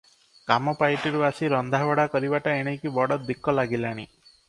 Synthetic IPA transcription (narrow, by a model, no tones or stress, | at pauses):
kamɔpajʈiɾuasiɾɔnd̪ʱaʋɔɽakɔɾibaʈaeɽ̃ekibɔɽɔd̪ikːɔlaɡilaɽ̃i